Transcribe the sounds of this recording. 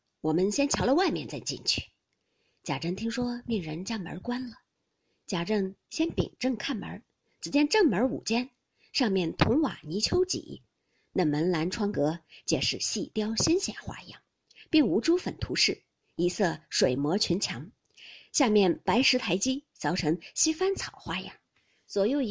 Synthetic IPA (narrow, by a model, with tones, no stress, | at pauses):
wɔ˨˩mə˧nɕjɛ˥nt͡ɕʰjɑ˧˥ʊlə˧wa˥˧ɪmjɛ˥˧nt͡sa˥˧ɪt͡ɕḭ˥˧nt͡ɕʰy̥̰˥˩ | t͡ɕja˨˩ʈ͡ʂə˥ŋt̪ʰi˥ŋʂwɔ˥li˥˩ŋɻə˧˥nt͡ɕja˥˩mə̰˧˥kwa˥nlə˨ | t͡ɕja˨˩ʈ͡ʂə˥˩ŋɕjɛ˥npḭ˨˩ŋʈ͡ʂɤ˥˧ŋkʰa˥˩nmə̰˧˥ | t͡sɻ̩˧˥t͡ɕjɛ˥nʈ͡ʂɤ˥˩ŋmə˞˧˥ṵ˨˩t͡ɕjɛ˥n | ʂɑ˥˧ŋmjɛ˥˩nt̪ʰʊ˧˥ŋwa̰˨˩ni˧˥t͡ɕʰjo˧˥ʊt͡ɕḭ˨˩ | na˥˩mə˧˥nla˧˥nʈ͡ʂʰwɑ˥ŋkɤ˧˥t͡ɕjɛ˧˩ʂɻ̩˥˩ɕi˥˧t̪jɑ˥ʊɕi˥nɕjɛ̰˨˩nxwa̰˥˩i˧˥jɑ̰˥˩ŋ | pi˥˩ŋu˧˥ʈ͡ʂu˥fə˨˩nt̪ʰu˧˥ʂɻ̩˥˩ | i˧˥sɤ˥˩ʂwe˨˩ɪmwɔ˧˥t͡ɕʰy˧˥nt͡ɕʰjɑ˧˥ŋ | ɕja˥˧mjɛ˥˩npa˧˥ɪʂɻ̩˧˥t̪ʰa˧˥ɪt͡ɕi˥t͡sɑ˧˥ʊʈ͡ʂʰɤ˧˥ŋɕi˥fa˥nt͡sʰɑ˨˩ʊxwa˥˩˧jɑ̰˥˩ŋ | t͡swɔ˨˩jo˥˩ʊ˧˥